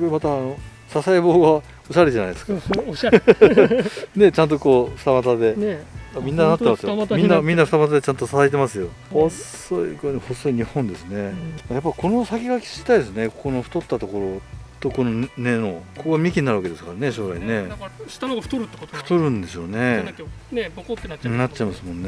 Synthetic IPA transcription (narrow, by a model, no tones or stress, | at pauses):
omat̪aːno̞ | sasaibo̞ːɡa | o̞ɕaɾed͡ʑanajd̪ska | ne̞t͡ɕãnt̪̬o̞ko̞ːɸɯ̥t̪amat̪ad̪e̞amʲĩnːanat̪ːemasɨjomĩnnːamʲĩnːaɸɯ̟t̪amat̪ad̪e̞t͡ɕãnt̪o̞sasait̪emasɨjo̞ | ho | oḭɡohosːo̞iɲ̟ihõ̞nd̪e̞sɨne̞ajapːaiko̞no̞sakʲiɡakʲi̥ɕi̥t̪aid̪esɨne̞koko̞noɸɯ̟̥t̪o̞t̪ːat̪o̞ko̞ɾo̞t̪o̞ko̞no̞ne̞nokokoamʲikʲiɲinaɾɯβake̞d̪e̞sɨ̥kaɾane̞ɕo̞ːɾaine̞̥nɯ̥t̪oɾɯt̪ːeɸɯ̟̥t̪oɾɯ̟̃nd̪e̞so̞ne | nat͡ɕːaimasɨmõ̞nːe